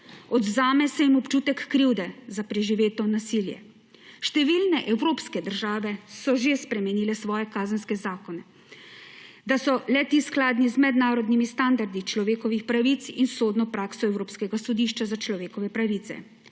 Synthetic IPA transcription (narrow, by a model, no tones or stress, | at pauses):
ɔd̪zaːmɛsɛimɔpt͡ʃuːt̪ɛkːɾiwd̪ɛzapɾɛʒiʋeːt̪ɔnasiːljɛ̰ | ʃt̪ɛʋiːlnɛʔɛwɾoːpskɛd̪əɾʒaːʋɛsɔʒespɾɛmɛniːlɛsʋɔːjɛkaːzənskɛzaːkɔnɛ | d̪asɔlɛt̪isklaːd̪nizmɛd̪naːɾɔd̪nimist̪and̪aɾd̪it͡ʃlɔʋeːkɔʋixpɾaʋit̪sinsoːd̪nɔpɾaːksɔɛwɾoːpskɛɡasɔd̪iːʃt͡ʃazat͡ʃlɔʋeːkɔʋɛpɾaʋiːt̪sɛ̰